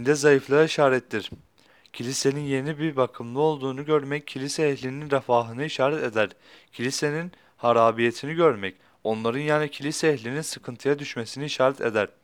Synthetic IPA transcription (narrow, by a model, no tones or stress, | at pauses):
nd̪ɛzajɯflˠaiʃaːɾɛt̪ːiɾ̥ | cʰilʲise̞ninje̞nibiɾbakʰɯmlˠɯo̞lˠd̪uːnuɟøɾmɛcʰːilʲisɛːçlʲininɾafaːɦɯnɯiʃaːɾɛt̪ed̪æɾ̥ | cʰilʲise̞nin | haɾaːbijet̪ʰiniɟøɾmɛc | o̞nlˠaɾɯnjaːnicʰilʲisɛːçlʲininsɯkʰɯnt̪ʰɯjad̪yʃmesiniːʃaːɾɛt̪ʰḛd̪æɾ̥